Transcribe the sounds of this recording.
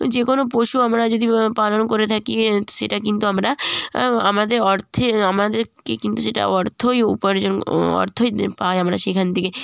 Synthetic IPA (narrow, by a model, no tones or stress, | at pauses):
d͡ʒekonopoʃuamɾad͡ʑod̪ʱipalonkoɾet̪ʰakieʃeʈakint̪uamɾa | amad̪eɾɔɾt̪ʰeamad̪eɾkekint̪uʃeʈa̰ɔɾt̪ʰojṵpoɾd͡ʒonɔ̰ɾt̪ʰoipaeamɾaʃekʰant̪ike